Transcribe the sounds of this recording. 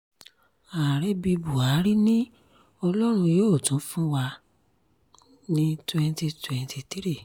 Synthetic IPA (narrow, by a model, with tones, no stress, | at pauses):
a˨ɾɛ˦bi˧bu˨a˨˦ɾi˦nĩ˦ | ɔ˧lɔ˦ɾ̃ũ˧joː˦˨tũ˨˦fũ˦wa˧ | nĩ˦twɛ̃˧nti˧twɛ̃˨ntʰi˧ti˦ɾi˦˨